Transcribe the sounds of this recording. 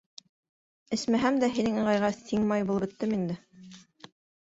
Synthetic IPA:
ɘ̆smæɦæmd̪æɦinɘŋɤ̆ʁɑjʁɑsiŋmɑjbulˠɤ̆bɘ̆t̪ːɘmind̪ɘ

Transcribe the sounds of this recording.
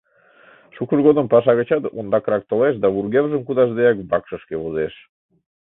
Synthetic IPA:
ʃukəʒɣod̪əmpɑʃ̬ɑβet͡ɕɑt̪o̰nd̪ɑkɾɑk̚t̪oleʃ̬d̪ɑβurɣeβʒəmkud̪ɑʒd̪eɑk̚bɑkʃəʃkeβozeʃ

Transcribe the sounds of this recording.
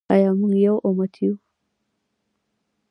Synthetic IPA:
a̰jamuŋjawʔɔmat̪ʰiju

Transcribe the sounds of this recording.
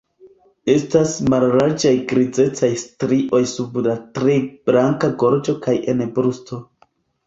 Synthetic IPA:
e̞stasmalɾaɾd͡ʒajɡɾid͡ze̞t͡sajstɾiʔo̞jsublatɾe̞b̥ɾaŋkaɡoɾd͡ʒo̞kaje̞nbɾusto̞

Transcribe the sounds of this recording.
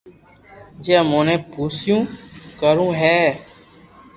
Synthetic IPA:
d͡ʒɛːmõːnɛ̃ːpuːsɪjũːkəɾũːɦɛː

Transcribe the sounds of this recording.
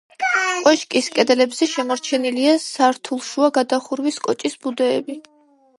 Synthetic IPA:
kʼwɛʃkʼiskʼɛd̪ɛlɛbzɛʃɛmɔɾt͡ʃʰɛniliasaɾt̪ʰulˠʃuaɡad̪aχuɾwiskʼɔt͡ʃʼisbud̪ɛːbi

